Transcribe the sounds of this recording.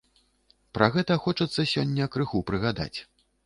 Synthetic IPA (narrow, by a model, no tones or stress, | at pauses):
pɾɐɣɛt̪ɐxɔt͡ʂɐt̪sːɐsʲɔnʲːɐkɾɨxupɾɨɣad̪a̰t͡sʲ